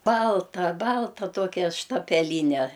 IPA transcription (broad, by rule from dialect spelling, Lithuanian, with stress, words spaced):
ˈbɐlˠtɐ ˈbɐlˠtɐ ˈtoːkʲɛ ʃtɐpʲɛˈlʲiːnʲɛ